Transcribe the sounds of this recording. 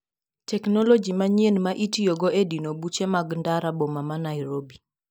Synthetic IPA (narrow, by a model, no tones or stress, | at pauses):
tɛknɔlɔd͡ʒimaɲjenmaʔitioɡɔedinobut͡ʃemaɡndaɾabomamanaɪɾobi